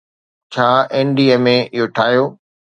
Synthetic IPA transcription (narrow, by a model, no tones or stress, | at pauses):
t͡ɕʰaːeːnɖiːemẽɪɦoʈʰaːɦjoː